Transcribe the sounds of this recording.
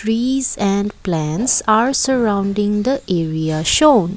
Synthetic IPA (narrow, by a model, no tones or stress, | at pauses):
ʈɾiːzɛ̃ɳɖplɛ̃nʈsaːɾsəɾãʊ̃ɳɖɪ̃ŋd̪əʔʔeːɾiaʃõːn